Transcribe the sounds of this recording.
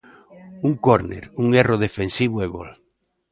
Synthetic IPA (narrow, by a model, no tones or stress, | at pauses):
uŋkoɾnḛɾuŋeroð̞efensiβoeβo̰l